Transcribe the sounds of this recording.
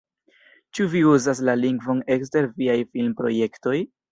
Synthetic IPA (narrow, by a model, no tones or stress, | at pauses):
t͡ʃuviuzas̬laliŋɡvo̞ne̞ks̬te̞ɾviajfilmpɾo̞̰je̞kto̞j